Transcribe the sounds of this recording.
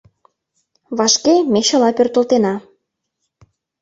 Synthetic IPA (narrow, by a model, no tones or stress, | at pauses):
βɑʃkemeɕə̆lɑpørt̪ə̆lt̪enɑ